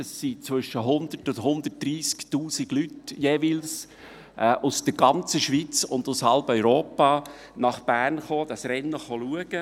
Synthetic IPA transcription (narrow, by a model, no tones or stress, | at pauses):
əsːit͡svʏʃəɦʊnd̥̪ərtʊndɦʊnd̪̥ət̚d̥riːsktuːsiɡ̥lytjeːvils | ʔɛːʔʊsd̥əɡɑnt͡səʃʋit͡sʊnd̪ʊshɑlbœʏɾoːpɑ | nɑχb̥æːrnχoːd̥ɑsrɛnːəχoluəɡ̥ə